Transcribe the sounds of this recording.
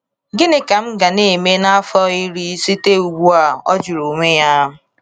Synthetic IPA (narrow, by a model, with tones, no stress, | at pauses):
ɡɪ˦nɪ˦ka˨m̩˦ɡa˨ne˦˨me˦na˦a˦fɔ˦i˦ɾi˦si˦te˦u˨ɡu˦a˨ɔ̰˦d͡ʒu˨ɾo˨me˦ja˦